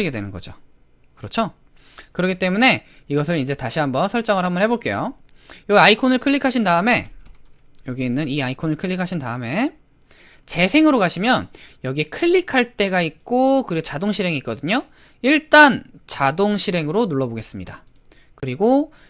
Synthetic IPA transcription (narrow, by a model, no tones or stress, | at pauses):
iɡe̞dwenɯnɡʌd͡ʑo̰ | kɯɾʌt͡ɕʰo | kɯɾʌkʰit͈e̞mune̞iɡʌs̬ʰɯɾind͡ʑe̞taɕʰiɦambʌnsʰʌɭt͡ɕ͈ʌŋɯɭɦambʌnhe̞boɭk͈e̞jojoaikʰonɯɭkʰɯʎːikʰaɕ̬ʰindaɯme̞ | jʌɡieinːɯniaikʰonɯɭkʰɯɭːikʰaɕʰintaɯme̞ | t͡ɕe̞sʰe̞ŋɯɾokaɕʰimjʌnjʌɡiekʰɯʎːikʰaɭt͈e̞ɡaik̚k͈okɯɾiɡot͡ɕadoŋɕʰiɾe̞ŋiːk͈ʌdɯɲo | iɭt͈ant͡ɕadoŋɕʰiɾe̞ŋɯɾonuɭːʌboɡe̞s͈ɯmɲida | kɯɾiɡo